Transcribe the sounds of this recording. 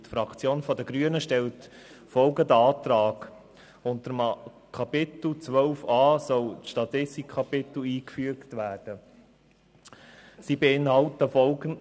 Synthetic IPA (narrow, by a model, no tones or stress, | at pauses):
tfɾɑkt͡sjoːnfɔdəɡɾyənəʃtɛlt | fɔlɡədɑːt̪ɾɑːɡ | ʊnt̪əɾəm | kʰɑpɪtl̩t͡sʋœʊfɑːsɔlt͡sʃtɑt̪ɪstɪkʰɑpɪt̪l̩iːkfyəktʋæːd̥ə | siːbeɪnhɑltəfɔlɡə